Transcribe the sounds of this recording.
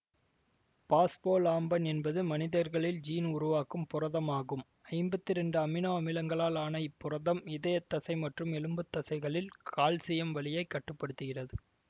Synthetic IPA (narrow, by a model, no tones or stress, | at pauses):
paːspoːɭaːmbɐnɛnbɐðɯmɐnɪðɐɾɣɐɭɪld͡ʒiːnʊɾʊʋaːkɯmpʊrɐðɐmaːɣɯm | ɐɪmbɐt̪ːɪɾɛɳɖɯɐmɪnɐɐmɪlɐŋɡɐɭaːlaːnɐɪpːʊrɐðɐmɪðɐjɐt̪ːɐsɐɪmɐʈrɯmɛlɯmbɯt̪ːɐsɐɪɣɐɭɪlkʰaːlsɪjɐmʋɐɭɪjɐɪkːɐʈːɯpːɐɽɯt̪ːɯɣɪrɐðɯ